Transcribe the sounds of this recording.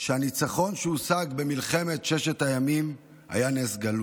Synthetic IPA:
ʃeanit͡saχo̞nʃeusaɡbe̞milχe̞me̞tʃeʃetajamim | ha̰janesɡalu

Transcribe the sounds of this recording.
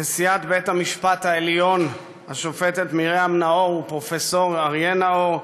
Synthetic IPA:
esiat̪bet̪hamiʃpat̪haeljo̞n | haʃofet̪et̪miʁeamnaoʁupʁofeso̞ʁaʁjenao̞ʁ

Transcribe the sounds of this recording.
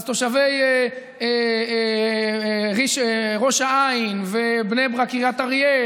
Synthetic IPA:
zt̪oʃaveje | e | ʁiʃʁo̞ʃaainvebnebʁakiʁjat̪aʁje

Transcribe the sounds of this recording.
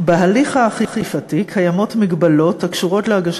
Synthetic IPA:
beɦaliχaːχiχifatikʰajamo̞tmiɡbalo̞tːakʃuʁo̞tleaɡaʃ

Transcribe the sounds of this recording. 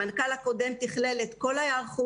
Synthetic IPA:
ankalako̞de̞mt̪iχle̞let̪ko̞lajaʁχu

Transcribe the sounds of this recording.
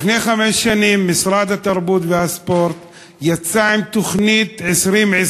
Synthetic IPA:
fnejχamɛʃʃanimːisʁad̪at̪aʁbut̪vehaspoɾt̪ | jat͡saimt̪oχnit̪ʕesɾimʕe

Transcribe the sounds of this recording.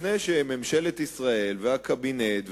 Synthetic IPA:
nejʃememʃe̞let̪isʁae̞lveakabinet̪v

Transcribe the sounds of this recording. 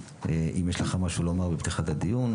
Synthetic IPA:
eʔimjeʃleχamaʃulomaʁbept̪iχat̪ad̪ijun

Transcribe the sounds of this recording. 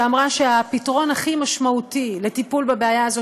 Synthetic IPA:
amʁaʃeapitʁo̞nhaχimaʃmautile̞tipulbabeajaazo

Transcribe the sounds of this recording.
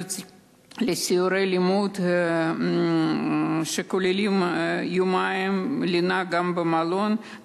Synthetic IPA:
lesioɾelimut̪ | ʃekulilimjumaemlinaɡambəmalon

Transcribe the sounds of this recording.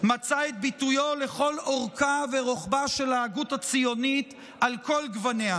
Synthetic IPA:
mat͡saet̪̚bit̪ujoleχo̞loʁkaveʁoχbaʃelaːɡutat͡sijo̞nit̪ | alko̞lɡvanea

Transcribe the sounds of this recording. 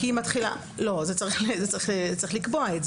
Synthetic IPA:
iimatχila̰ | lo̞zet͡saʁiχlezet͡saʁiχlet͡saʁiχlikboaetz

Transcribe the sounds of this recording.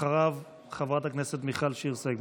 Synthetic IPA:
aʁav | χavʁat̪akneset̪miχalʃeiʁseɡ

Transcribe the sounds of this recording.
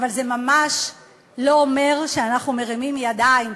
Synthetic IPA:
valze̞mamaʃ | lo̞ome̞ʁʃeanaχnume̞ʁimimjad̪aim

